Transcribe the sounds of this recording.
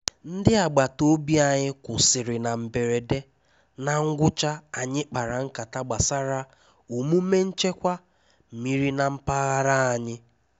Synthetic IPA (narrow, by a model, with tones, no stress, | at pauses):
n̩˦dɪ˦a˨ɡ͡ba˨to˦bi˦a˨ɲɪ˦kʷʊ˨sɪ˨ɾɪ˨na˨m̩˨be˨ɾe˨de˦ | na˨ŋ̩˦ɡʷʊ˦t͡ʃa˦a˨ɲɪ˦k͡pa˨ɾa˨ŋ̩˦ka˨ta˦ɡ͡ba˨sa˦ɾa˦ | u˨mu˦me˦n̩˦t͡ʃe˦kʷa˦ | m̩˨mi˨ɾi˦na˨m̩˦pa˦ɣa˦ɾa˦a˨ɲɪ˦